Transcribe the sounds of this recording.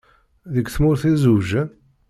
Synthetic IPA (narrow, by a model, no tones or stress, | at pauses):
ðəkθmʊɾθizuʒən